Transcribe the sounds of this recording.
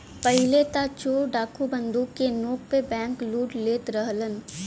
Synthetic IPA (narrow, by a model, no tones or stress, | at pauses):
pəɦɪlet̪at͡ʃoːɖaːkʰubə̃nd̪uːkːenoːk̚pebɛ̃ːŋkluːʈleːt̪ɾəɦlən